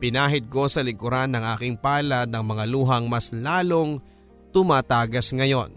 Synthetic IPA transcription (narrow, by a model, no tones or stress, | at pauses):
pɪnaːɦɪd̪̚ko̞sɐlɪɡʊɾanːɐŋʔaːkɪŋpaːlɐd̪̚ɐŋmɐŋaluːɦɐŋmɐslaːlo̞ŋ | t̪ʊmaːt̪aːɡɐsŋɐjo̞n